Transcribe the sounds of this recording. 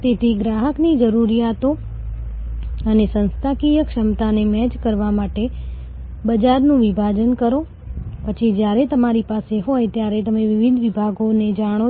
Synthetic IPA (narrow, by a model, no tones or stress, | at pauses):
t̪et̪ʰiɡɾaɦəknid͡ʒəɾuɾijat̪o | ənesə̃nst̪ʰakijəkʃəmt̪anemɛd͡ʒkəɾʋamaʈe | bəd͡ʒaɾnũʋibʱad͡ʒənkəɾo | pət͡ʃʰid͡ʒjaɾet̪əmaɾipaseɦojt̪jaɾet̪əmeʋɪʋid̪ʱʋibʱaɡoned͡ʒaɽ̃o